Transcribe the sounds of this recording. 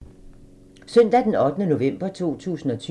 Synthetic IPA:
sœn̰d̥æd̥enɒ̽d̥ənəno̝ʋem̰b̥ɐt͡sʰo̝̰ːt͡sʰṵːsn̩ɒ̽t͡sʰy

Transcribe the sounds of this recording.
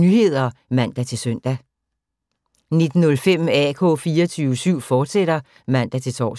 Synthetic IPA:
nyhe̝ð̰ˠɐmæn̰d̥æt͡sʰe̝lsœn̰d̥æ | ne̝d̥n̩ːɔ̽lfem̰ɛkʰɔ̰̽ːfiːɐt͡sʰyːʊəsyʊ̰fɒːd̥seɾ̥ɐ | mæn̰d̥æt͡sʰe̝lt͡sʰɒ̰ː

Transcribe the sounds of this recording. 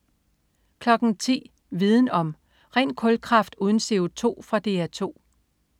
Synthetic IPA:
kʰlɒ̽ɡ̥ŋ̩t͡sʰḭː | ʋið̞ˠn̩ɒ̽m | ʁɛ̰ːnkʰɔ̽lkʰʁɑ̈fd̥uːð̞ˠn̩se̝o̝t͡sʰo̝̰ːfʁɑ̈d̥e̝ːæɐt͡sʰo̝̰ː

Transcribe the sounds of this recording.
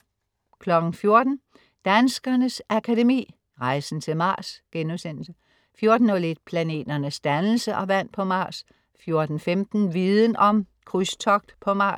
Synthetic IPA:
kʰlɒ̽ɡ̥n̩fjo̝ɐd̥n̩ | d̥ænsɡ̥ɐnəsʔækʰædemḭː | ʁɑ̈ɪsn̩t͡sʰe̝lmɑ̈ːsɡ̥enusen̰l̩sə | fjo̝ɐd̥n̩ɒle̝d̥pʰlæne̝̰ːd̥ɐnəsd̥ænl̩səʔɒ̽ʋæn̰pʰɒ̽mɑ̈ːs | fjo̝ɐd̥n̩femd̥n̩ʋiðˠən̩ɒ̽m | kʰʁyst͡sʰɒɡ̥d̥pʰɒ̽mɑ̈ːs

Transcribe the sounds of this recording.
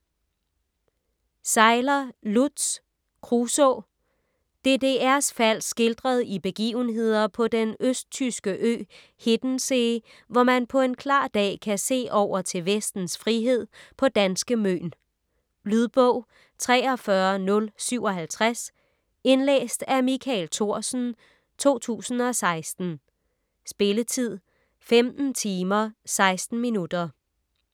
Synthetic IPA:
sɑ̈ɪlɐlud̥s | kʰʁuso | d̥e̝de̝æɐsfæl̰sɡ̥e̝ld̥ʁɐð̞ˠib̥e̝ɡ̥ḭːʊn̩ɦe̝ð̞̰ˠɐpʰɒ̽d̥enøsd̥̚t͡sʰysɡ̥əʔø̰ː | he̝d̥n̩se̝ | ʋɒmænpʰɒ̽e̝nkʰlɑ̰̈ːd̥ɛ̰ːkʰæse̝̰ːʔɒʊ̰ɐt͡sʰe̝lʋesd̥n̩sfʁiɦe̝ð̞̰ˠpʰɒ̽d̥ænsɡ̥əmø̰ːn | lyðˠb̥ɔ̽ʊ̰ | t͡sʰʁɛːɒ̽fɶɐnɔ̽lsyʊɒ̽ɦælt͡sʰʁas | e̝nlḛːsd̥æmikʰɛlt͡sʰo̝ɐ̰sn̩ | t͡sʰo̝̰ːt͡sʰṵːsn̩ɒ̽sɑ̈ɪsd̥n̩ | sb̥e̝lət͡sʰið̞̰ˠ | femd̥n̩t͡sʰiːmɐsɑ̈ɪsd̥n̩minud̥ɐ

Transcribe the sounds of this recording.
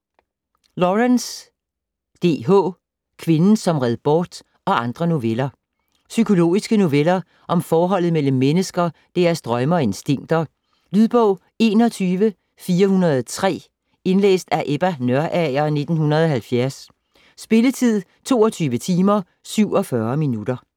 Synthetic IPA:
lɒʁæns | d̥e̝̰ːɦɔ̰ː | kʰʋe̝nn̩sɒ̽mʁɛð̞ˠb̥ɒːd̥ | ɒ̽ɑ̈nd̥ʁɐno̝ʋelɐ | sykʰo̝lo̝̰ːisɡ̥əno̝ʋelɐ | ʔɒ̽mfɒːɦɒ̽l̰ð̩ˠmel̰m̩ːenəsɡ̥ɐd̥e̝æɐsd̥ʁɶmɐɒe̝nsd̥e̝ŋ̰d̥ɐ | lyðˠb̥ɔʊ | e̝̰ːnɒ̽t͡sʰyːʋə | fiːɐhunɐð̩ˠt͡sʰʁɛ̰ː | e̝nlḛːsd̥æɐʔeb̥ænɶɐʔæɪɐne̝d̥n̩hunɐðˠɒ̽ɦælfjæɐsː | b̥e̝lət͡sʰið̰ˠ | t͡sʰo̝ːɒ̽t͡sʰyːʋət͡sʰiːmɐ | syʊ̰ɒ̽fɶːɐminud̥ɐ

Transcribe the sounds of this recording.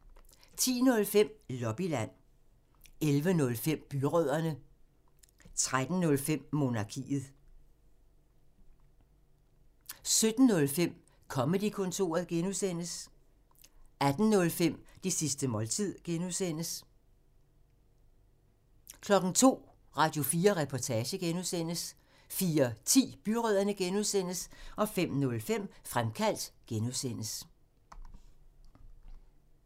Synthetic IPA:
t͡sʰḭːnɔ̽lfem̰lɒ̽b̥ilæn̰ | elʋənɔ̽lfem̰b̥yʁœð̰ˠɐnə | t͡sʰʁad̥n̩nɔ̽lfem̰mo̝nɑ̈kʰḭːð̩ˠ | sød̥n̩ːɔ̽lfem̰ | kʰɒ̽məd̥ikʰɔ̽nt͡sʰo̝̰ːɐð̩ˠɡ̥enusen̰əs | æd̥n̩nɔ̽lfem̰d̥isisd̥əmɒ̽lt͡sʰið̰ˠɡ̥enuðˠsen̰əs | kʰlɒ̽ɡ̥n̩t͡sʰo̝̰ː | ʁɑ̈ːd̥jo̝fiːɐʁɛpʰɒt͡sʰɛːɕəɡ̥enuðˠsen̰əs | fiːɐt͡sʰḭːb̥yʁœð̰ˠɐnəɡ̥enuðˠsen̰əsɒ̽fem̰nɔ̽lfem̰fʁamkʰæl̰d̥ɡ̥enuðˠsen̰əs

